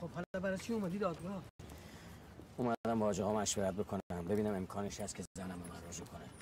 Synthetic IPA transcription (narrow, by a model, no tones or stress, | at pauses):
xobhɒlabæɾakʰiomæd̪iːd̪ɒːd̪ɡɒː | umæd̪æmbɒːd͡ʒeɣɒːmæʃveɾæt̪̚bekʰonmbe̞biːnæme̞mkʰɒːneʃhæst̪kʰʲeænæmomæɾrod͡ʒukʰone